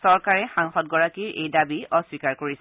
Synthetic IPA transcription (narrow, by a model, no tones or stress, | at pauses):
sɔɹkaɹɛxaŋxɔt̚ɡɔɹakiɹʔḛjdabiɔswikaɹkoɹis